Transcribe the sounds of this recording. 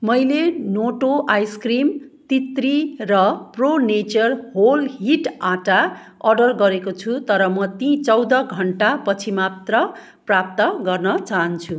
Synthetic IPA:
mʌjlenoʈoʔajskrimt̪it̪rirʌpronet͡sʌrɦolɦiʈaʈa | ʌrɖʌrɡʌɾekot͡sʰut̪ʌɾʌmʌt̪ĩt͡sʌwd̪ʌɡʱʌɳʈapʌt͡sʰimat̪rʌ | prap̚t̪ʌɡʌrnʌt͡saɦʌnt͡sʰu

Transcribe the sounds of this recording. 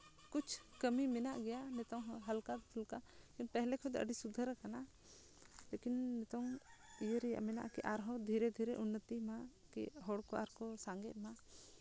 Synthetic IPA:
kut͡ʃʰkəmimɛnaʔɡɛjanɛt̪ɔŋɦəlkad̪t̪ʰulkakinpɛɦlɛkʰɔd̪ɛə̰ɖisud̪ʱəɾakana | lekinːɛt̪ɔŋijəɾɛja̰ʔmɛna̰ʔkɛ̰ʔaɾɦɔ̃d̪ʱiɾɛd̪ʱiɾɛʔunːət̪ima | kɛ̰ɦɔɽkɔaɾkɔsaŋɡɛt̪̚ma

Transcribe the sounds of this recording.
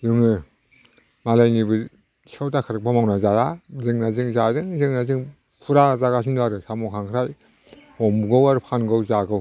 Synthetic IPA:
juŋɯ | malajnibɯ | sʰawtakʰɯɾɯk̚bamawnazajazɯŋnazɯŋzadɯŋzɯŋnazɯŋ | pʰuɾazaɡas̬ʰindaɾɯsamɔkʰaŋkʰɾaj | ɔmɡɔwaɾpʰanɡɔwzaɡɯw

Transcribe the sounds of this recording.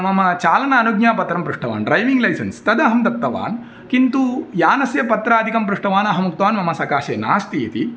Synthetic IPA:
mɐmɐt͡ʃaːlɐnɐːnuɡɲjaːpɐt̪ɾɐmpɾuʂʈɐʋa̰ːnɖɾɐjʋiŋɡlɐjsɐnst̪ɐd̪ɐɦɐmd̪ɐp̚t̪ːɐʋa̰ːn | kint̪ujaːnɐsjɐpɐt̪ɾaːd̪ʱikɐmpɾuʂʈɐʋaːnɐɦɐmuk̚t̪ʋaːnmɐmɐsɐkaːʃeːna̰ːst̪iːt̪i

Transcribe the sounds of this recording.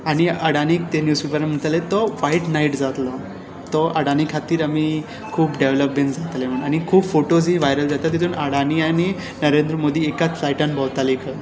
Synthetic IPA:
aɽ̃iəɽaniːk̚t̪enjuːspepəɾm̤əɳt̪alet̪ɔʋaiʈnaiʈd͡zat̪lɔ | t̪ɔʔəɽanikʰat̪iːɾami | kʰuːpɖeʋləpmẽɳʈd͡zat̪lem̤əɳɖañikʰuːbfoʈod͡ziʋajɾəld͡zat̪at̪ːit̪ʰuːnəɽaniañi | nəɾend̪ɾəmod̪ʱiːekat͡sfajʈanbʱɔʋt̪alikʰə

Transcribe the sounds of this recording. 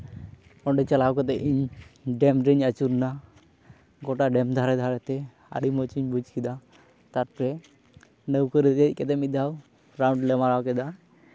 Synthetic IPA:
ɔɳɖɛt͡ʃalawkɔt̪ɛiɲɖɛmɖɾəɲat͡ʃuɾna | ɡɔʈaɖɛmd̪ʱaɾɛd̪ʱaɾɛt̪ɛ | ə̰ɾimɔt͡ʃiɲbud͡ʒkid̪a | t̪aɾpɾɛ | nəwkəɾət̪ɛc̚ˀkɛt̪ɛmit̪̚d̪aw | ɾawɳɖlɛmaɾawkɛd̪a

